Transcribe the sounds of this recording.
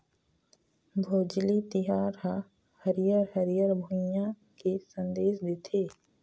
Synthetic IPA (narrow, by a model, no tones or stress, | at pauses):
bʱoːd͡ʒlit̪ɪɦaːɾɦa | həɾijəɾhəɾijəɾbʱʊjã | kisə̃nd̪eːʃd̪ɪt̪ʰeː